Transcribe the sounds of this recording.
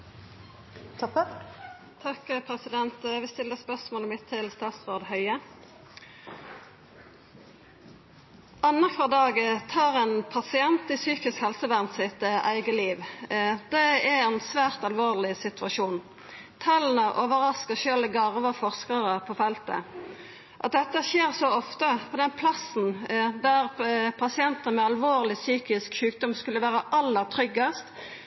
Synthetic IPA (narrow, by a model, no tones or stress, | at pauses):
t̪ʰɑkəpʰʁɛsɪd̪ɛnt̪ʋɪst̪ɪlːəspœʁsmoːləmɪt̪ʰːɪlst̪ɑːt̪sʁoːd̪hœʏə | ʔɑnɑkfɑʁd̪ɑːɡət̪ʰɑːʁɛnpʰɑsɪɛnt̪ɪsyːkɪskhɛlsəʋæʁnt̪sɪt̪əʔæɪɡəliːʋd̪ɛɛɛnsʋæːʁt̪ɑlʋoːʁlɪsɪt̪ʰʉɑʃuːn | t̪ʰɑln̩əʔoːʋəʁɑskəʃøːləɡɑʁʋəfɔʁskɑʁəpʰɔfɛlt̪ə̰ | ʔɑt̪̚d̪ɛt̪ːəʃeːʁsɔɔft̪əpʰɔd̪ɛnpʰlɑsn̩d̪æʁpʰɑsɪɛnt̪ənəmɛɑlʋoːʁlɪsyːkɪskʃʉːk̚d̪ɔmskʉlːəʋæːʁəʔɑlːəʁt̪ʰɾʏɡːɑst̪